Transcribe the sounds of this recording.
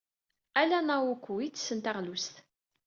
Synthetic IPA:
ælænæwukʷːuwisənt̪æʁlust̪

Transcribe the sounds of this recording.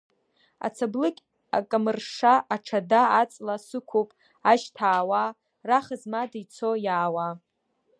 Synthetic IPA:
a̰t͡sʰablɨkʲʼ | a̰kʼamɨrʂaʔːʈ͡ʂʰadaat͡sʼlasɨkʷʰopʼ | aʒtʰaːwa | raχazmadijt͡sʰojaːwa

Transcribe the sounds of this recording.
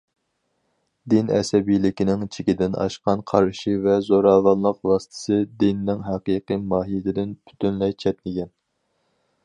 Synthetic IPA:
d̪inɛ̰sɛbijlɪkʲinɪŋt͡ʃʰɪkʲid̪ɪnɑ̰ʃqɑnqʰɑɾʃivɛzoɾɑːvɑnlˠəqwɑsɨ̥t̪ʰɨ̥sɨd̪inɪnɪŋɦæqiqɨmɑːɦijɪd̪ɪd̪ɪnpʰy̥t̪ʰynlɛjt͡ʃʰɛt̪̚mɪɡʲɛn

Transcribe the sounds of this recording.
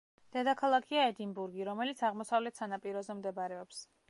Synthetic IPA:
d̪̥ɛd̪akʰalˠakʰiaɛd̪inbuɾɡiɾɔmɛlit̪sʰaʁmɔsavlɛt̪ʰsanapʼiɾɔzɛmd̪ɛbaɾɛɔps

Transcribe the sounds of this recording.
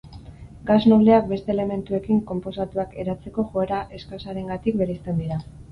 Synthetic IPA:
ɡazno̞βle̞ak̚be̞st̪e̞ːleme̞nt̪ue̞kiŋko̞mpo̞sat̪uake̞ɾat͡se̞ko̞ʝoeɾaʔe̞skasaɾe̞ŋɡat̪ikbe̞ɾest̪e̞nd̪iɾa

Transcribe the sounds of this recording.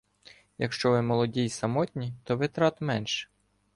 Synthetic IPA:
jɐkʃt͡ʃɔʋɪmɔlˠɔdʲijsɐmɔt̪ʲnʲit̪ɔʋɪt̪ɾɑt̪mɛnʃɛ̥

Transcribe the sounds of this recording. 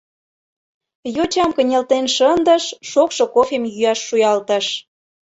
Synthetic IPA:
jot͡ɕɑmkə̆nʲelt̪enʃənd̪ə̆ʃːokʃokofemjyjɑʃːujɑlt̪ə̆ʃ

